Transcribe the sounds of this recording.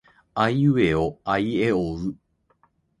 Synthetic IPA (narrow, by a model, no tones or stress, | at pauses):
aieoaieoɯ